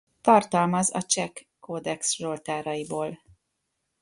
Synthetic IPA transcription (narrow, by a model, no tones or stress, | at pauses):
t̪ɒrt̪ɒlmɒzɒ̰t͡ʃɛkː | oːd̪ɛkszolt̪aːɾɒjiboːl